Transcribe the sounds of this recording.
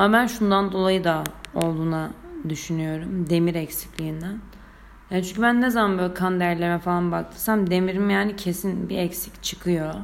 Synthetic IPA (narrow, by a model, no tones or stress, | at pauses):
amabænʃund̪and̪o̞lˠajɯd̪ao̞lˠd̪uːnad̪yʃynyjo̞ɾumd̪e̞miɾɛcsi̥clʲijind̪æn | jaːnt͡ʃʰynɲcʰybænːɛzamanbøːlʲikʰand̪æɾlʲemɛfalˠanbakt̪ʰɯɾsamd̪e̞miɾimjaːnicʰe̞sinbiɛcsi̥ct͡ʃʰɯ̥kʰɯjo̞